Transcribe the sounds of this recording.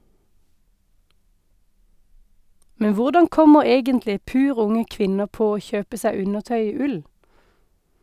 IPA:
ˈmɛn ˈʋʊʁdɑŋ ˈkɔməʁ ˈeːɡəntlɪ ˈpʉːʁ ˈʊŋə ˈkʋɪnəʁ ˈpoː ˈoː ˈçøːpə ˈsæ ˈʉnəʁˌtœʏ ˈiː ˈʉl

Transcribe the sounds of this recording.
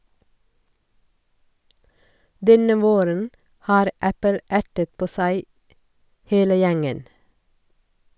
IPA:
ˈdɛnə ˈʋoːɾən ˈhɑːɾ ˈæpəl ˈʔæʈət ˈpoː ˈsæɪ ˈheːlə ˈjæŋən

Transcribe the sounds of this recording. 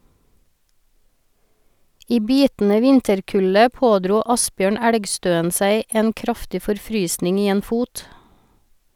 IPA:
ˈiː ˈbiːtn̩ə ˈʋɪntəɾˌkʉlə ˈpoːˌdɾuː ˈɑsˌbjøːɳ ˈæɽɡˌstøːən ˈsæɪ ˈeːn ˈkɾɑftɪ fɔɾˈfɾyːsnɪŋ ˈiː ˈeːn ˈfuːt

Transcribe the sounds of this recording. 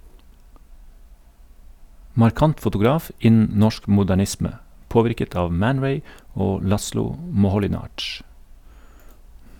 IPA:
mɑɾˈkɑnt fʊtʊˈɡɾɑːf ˈɪnn̩ ˈnɔʃk mʊdæˈɳɪsmə ˈpoːʋɪɾkət ˈɑːʋ ˈmæn ˈɹeɪ ˈoː ˈlɑslʊ mɔhɔlɪˈnɑːd͡ʒ

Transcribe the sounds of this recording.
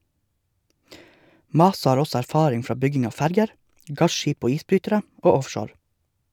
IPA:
ˈmɑːsɑ ˈhɑːɾ ˈɔsɔ æɾˈfɑːɾɪŋ ˈfɾɑː ˈbʏɡɪŋ ˈɑː ˈfæɾɡəɾ ˈɡɑʃˌʃiːp ˈoː ˈiːsˌbɾyːtəɾə ˈoː ˈɔfʃoːɾ

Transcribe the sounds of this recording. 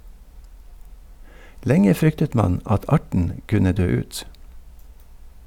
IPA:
ˈlɛŋə ˈfɾʏktət ˈmɑn ˈɑt ˈɑʈɳ̩ ˈkʉnə ˈdøː ˈʉːt

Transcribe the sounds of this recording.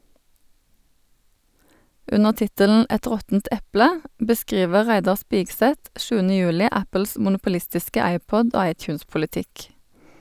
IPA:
ˈʉnəʁ ˈtɪtəln̩ ˈɛt ˈʁɔtn̩t ˈʔɛplə bəˈskʁiːʋə ˈʁæɪdɑʁ ˈspiːɡˌsɛt ˈʃʉːənə ˈjʉːlɪ ˈʔæpəls mʊnʊpʊˈlɪstɪskə ˈæɪˌpɔd ˈoː ˈɑɪˌtjʉːnspʊləˌtɪk

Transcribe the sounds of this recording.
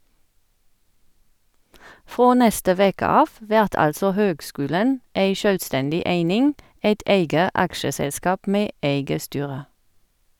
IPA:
ˈfʁoː ˈnɛstə ˈʋeːkə ˈɑːf ˈʋæʁt ˈɑlsɔ ˈhøːɡˌskʉːlən ˈæɪ ˈʃœlˌstɛndɪ ˈæɪnɪŋ ˈæɪt ˈæɪɡə ˈɑkʃəˌsɛlˌskɑːp ˈmeː ˈæɪɡə ˈstyːʁə

